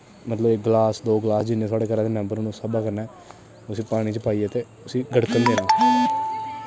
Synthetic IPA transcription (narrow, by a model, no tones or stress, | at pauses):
mət̪ləbɪk̚ɡlaːsd̪oːɡlaːsd͡ʒɪnːẽːswaːɽeːkəɾãːd̪eːnə̃mbəɾnũsəbaːkəɾnɛː | ʊsiːpaːɽ̃iːt͡ʃəpaːiːɛt̪eː | ʊsiːɡəɽkənd̪eːnãː